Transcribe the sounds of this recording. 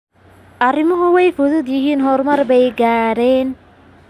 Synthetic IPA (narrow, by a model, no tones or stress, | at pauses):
ʔɐrɪmʊɦʊwɛjfʊðʊd̪jɪhiːnɦɔɾmɐrbɛjɡaːɾɛːn